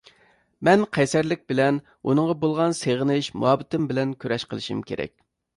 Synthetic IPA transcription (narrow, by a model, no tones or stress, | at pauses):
mɛnqʰɛjsæɾlɪk̚ʲbɪlɛn | ṵnɨŋʁɑbolˠʁɑnseʁənɪʃmṵɑbɪt̪ɪmbɪlɛnkʲʰøɾɛʃqʰəlˠɨʃḭmkʲʰḛɾɛ̰k̚ʲ